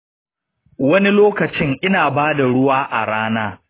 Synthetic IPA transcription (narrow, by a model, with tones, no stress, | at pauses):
wɐ˦ni˦loː˦kɐ˨t͡ʃɪ˦ŋʔɪ˦naː˨baː˦da˨ɽʊ˦waː˦ʔa̰˨ɽaː˦naː˦